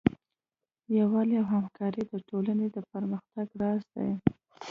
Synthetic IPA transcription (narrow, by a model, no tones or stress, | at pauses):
jawɑleawɦamkɑɾid̪əʈolaned̪əpəɾməxt̪aɡɾɑzd̪a̰j